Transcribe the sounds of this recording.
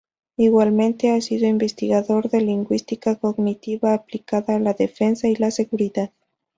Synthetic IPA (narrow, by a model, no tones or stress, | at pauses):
iɣwalmẽ̞nt̪e̞asiðoimbe̞st̪iɣaðo̞ɾðe̞liŋɡwist̪ikako̞ɣnit̪iβaːplikaðaːlaðe̞fe̞nsailase̞ɣuɾiðað